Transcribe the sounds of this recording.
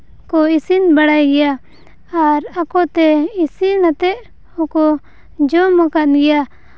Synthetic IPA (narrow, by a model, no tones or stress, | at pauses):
kɔisinbaɽajɡɛja | aɾakɔt̪ɛisinat̪ɛʔ | ɔkɔ | d͡ʒɔmakat̪̚ɡɛja